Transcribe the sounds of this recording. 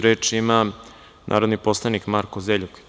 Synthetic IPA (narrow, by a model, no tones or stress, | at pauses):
ɾeːt͡ʂima | nʔa̰ːɾod̪niposlˠanikmaɾkozeʎuk